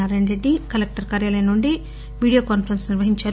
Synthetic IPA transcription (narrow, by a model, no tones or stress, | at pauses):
aːɾeɳɾe̞ɖːikɐlek̚ʈɐɾkaːɾjaːlɐjɐnuɳɖi | ʋiːɽijaːkaːnpɐɾɐnsniɾʋɐɦiɲt͡ʃaːɾ